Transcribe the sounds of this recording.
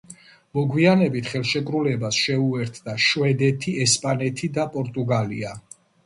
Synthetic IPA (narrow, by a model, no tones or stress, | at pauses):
mɔɡwianɛbit̪ʰχɛlˠʃɛkʼɾulɛbasʃɛuɛɾt̪ʰd̪aʃwɛd̪ɛt̪ʰiɛspʼanɛt̪ʰid̪apʼɔɾt̪ʼuɡalḭa